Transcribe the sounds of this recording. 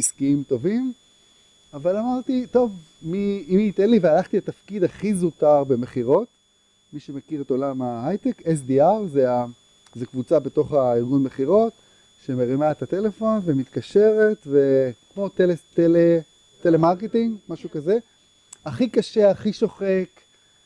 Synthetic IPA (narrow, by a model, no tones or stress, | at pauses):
iskiimto̞vim | avalamaʁt̪ito̞v | miimːt̪enlivealaχt̪itafkid̪aχizutaʁbe̞me̞χiʁo̞t | miʃemekiʁeto̞lamaajt̪ekes̬diaʁzea | zekvut͡sabe̞to̞χaiʁɡunmeχiʁo̞t | ʃemeʁimaet̪at̪e̞le̞fo̞nvemit̪kaʃe̞ʁet̪vekmo̞t̪eetele | telemaʁketiŋɡmaʃukaze | aχikaʃe̞aχiʃo̞χe̞k